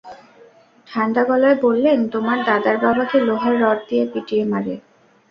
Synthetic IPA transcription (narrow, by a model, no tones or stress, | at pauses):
ʈʰanɖ̪aɡɔlaebolːent̪omaɾd̪ad̪aɾbabak̪eloɦaɾːɔʈ̚d̪ijepiʈiemaɾe